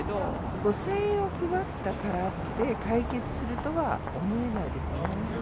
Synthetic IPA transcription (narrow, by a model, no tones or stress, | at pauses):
o | ɡosẽo̞kʲɯβat̪ːakaɾat̪ːe̞kaike̞t͡sɨ̥sɨɾɯ̟t̪o̞βa̰ | o̞mo̞e̞naid̪e̞sɨne